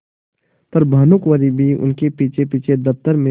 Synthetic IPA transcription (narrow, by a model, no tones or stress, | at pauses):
pɐɾbʱaːnʊkʋəɾibʱiʊ̰nkepiːt͡ʃʰepiːt͡ʃʰed̪ɐp̚t̪əɾmẽ